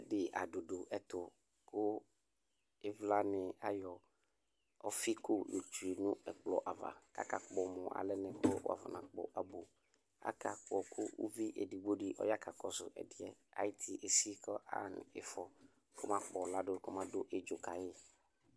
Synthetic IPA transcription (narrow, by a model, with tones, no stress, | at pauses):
dɪ˨ʔa̰˨do˨do˨ʔɛ˦t̪ʊ˨ | kʰʊ˦ | ɪ˦vla˦nɪ̃˨a˦jɔ˨ | ɔ˦fi˦kʊ˦lo˨tu˨e˨nũ˦ɛ˨k͡plɔ˨ʔa˨va̰˨ka̰˨ka˨k͡pɔ˨mʊ̃˨ʔa̰˨lɛ˦nɛ̃˨kʊ˦w̰a̰˦˨va̰˨nã˨k͡pɔ̰˨ʔa˨bo˨ | a̰˦kʰa˨k͡pɔ˨kʰʊ˦ṵ˦vi˦ʔɛ̰˨di˨bo˦ɖi˦ʔɔ̰˦ja˦ka˨kɔ˨sʊ̰˨ʔɛ̰˨dɪ˨ɛ˦a̰˨jɪ˦t̪ʰi˦ʔe˨si˦kɔ˦ʔa̰˦˨n˨ɪ˨fɔ˨ | kʰʊ˦mã˦k͡pɔ˨la˦dʊ˦kʊ˦mã˦dʊ˦ʔe˦d͡ʒo˨ka˨jɪ˦